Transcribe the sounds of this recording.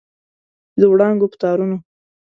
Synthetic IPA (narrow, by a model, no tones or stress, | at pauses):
d̪əwɽɑŋɡopə̥t̪ɑɾuno